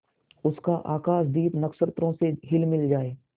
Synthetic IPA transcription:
ʊskaʔa̰ːkaːʃ̬d̪iːt̪nɐksəɾt̪ɾõseɦɪlmɪld͡ʒaːeː

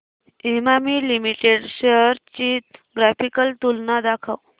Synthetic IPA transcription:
imamiːlimiʈeɖɕəɾt͡ɕit̪ɡɾafikəlt̪ulnad̪akʰaw

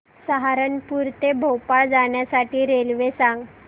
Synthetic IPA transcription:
səɦaɾənpuɾt̪ebʱəwpaɭd͡zaɳjasaʈiːɾelʋesãŋɡ

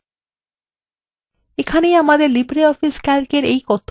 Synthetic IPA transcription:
ekʰanejamad̪eɾlibɾeɔfiskaɾkeɾejkɔt̪ʰː

